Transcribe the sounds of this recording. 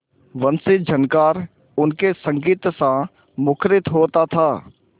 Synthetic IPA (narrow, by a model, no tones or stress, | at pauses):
ʋɐnsɪd͡ʒɐnkaːɾ | ʊnkesɐ̃ŋɡiːt̪sã | mʊkʰɾɪt̪ɦoːt̪at̪ʰaː